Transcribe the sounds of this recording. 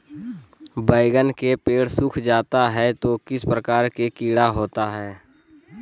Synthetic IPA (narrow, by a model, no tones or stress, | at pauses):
bəɪɡənkepeːɽsʊkʰd͡ʒaːt̪aɦɛt̪okɪspɾəkaːɾkekiːɽaɦoːt̪aɦɛː